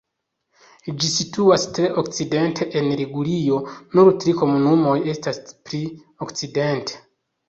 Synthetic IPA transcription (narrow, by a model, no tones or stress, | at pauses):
d͡ʒisituastɾe̞ʔo̞kt͡side̞ntʰe̞ʔenɾiɡulijo̞nuɾtɾiko̞munumo̞je̞staspɾi | o̞kt͡side̞ntʰe̥